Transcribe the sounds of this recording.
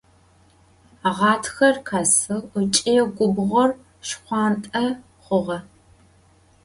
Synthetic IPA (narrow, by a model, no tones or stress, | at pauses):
aʁɑːtʰxɐrkʰaːsɨʊt͡ʃʼiɡʷʊbʁʷɔr | ʃqʷɑːntʼɐ | χʷʊʁɐ